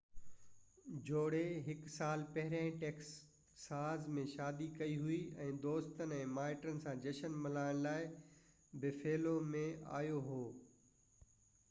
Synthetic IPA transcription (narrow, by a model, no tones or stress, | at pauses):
d͡ʑoːɽeɦɪksaːlpɐɦɪɾãːĩʈeːks | saːzmẽʃaːd̪ikɐiɦuiɛ̃ːd̪oːst̪ənɛ̃ːmaːɪʈənɪ̆sãd͡ʑɐʃənmɪlaːɪɽ̃laːɪ | bɪfʰeːlomẽa̰ːjoɦoː